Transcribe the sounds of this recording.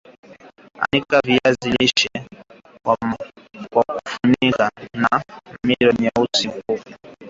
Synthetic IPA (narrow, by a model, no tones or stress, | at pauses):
a̰nikaviaziliʃɛ | kwakufunikanamiɾɔniausikui